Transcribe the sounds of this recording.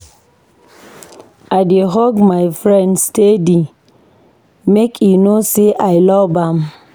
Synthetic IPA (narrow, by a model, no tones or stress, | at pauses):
adeɦɔɡmajfɾɛ̃ndstedi | mekʰinoseʔajlɔbam